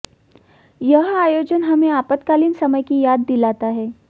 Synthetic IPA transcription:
jɐɦaːjoːd͡ʒənɦɐmẽaːpət̪kaːliːnsɐməjkijaːd̪ːilaːt̪aɦɛː

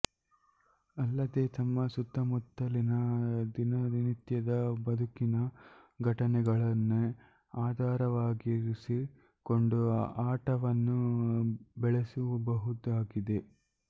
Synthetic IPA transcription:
ɐlːɐd̪et̪ɐmːɐsut̪ːɐmut̪ːɐlinɐd̪inɐd̪init̪jɐd̪ɐbɐd̪ʱukinɐɡʱɐʈɐnɛɡɐɭɐnːu | aːd̪ʱaːɾɐʋaːɡiɾisi | ko̞ɳɖuaːʈɐʋɐnːu | bɛɭesuʋubɐɦut̪aːɡid̪e̞

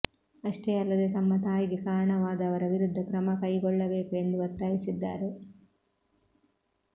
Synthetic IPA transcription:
ɐʂʈeːɐlːɐd̪et̪ɐmːɐt̪aːjiɡe̞kaːɾɐɳɐʋaːd̪ɐːʋɐɾɐʋiɾud̪ʱːɐkɾɐmɐkɐjɡɔɭːɐbeːkue̞nd̪uʋɐt̪ːaːjisid̪ːa̰ːɾe̞

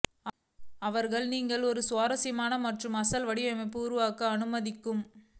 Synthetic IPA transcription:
ɐʋɐɾɣɐɭniːŋɡɐɭɔɾɯsʊʋaːɾɐsɪjɐmaːnɐmɐʈrɯmɐsɐlʋɐɽɪʋɐmɐɪpːɯːɾɯʋaːkɐɐnɯmɐðɪkːɯm

